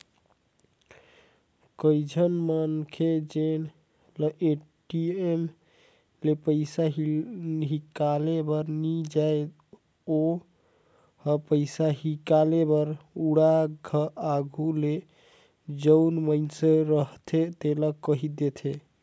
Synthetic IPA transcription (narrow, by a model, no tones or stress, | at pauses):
kəjd͡ʒʱənmənkʰed͡ʒen | ləʔeʈiem | lepəɪsaɦɦikalebəɾnid͡ʒae | o | hpəɪsaɦikalebəɾuɽaɡʱəaɡʱule | d͡ʒəwnmənseɾəɦt̪ʰet̪eləkəɦid̪et̪ʰe